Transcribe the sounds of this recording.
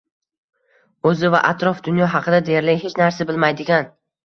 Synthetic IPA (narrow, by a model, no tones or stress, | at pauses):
ɵzɪva̰ʔat̪ɾɒfd̪ʊnjɒɦɑqʰɨd̪ad̪eaɾlɪɦet͡ʃnaɾsabɪlmajd̪ɪɡʲan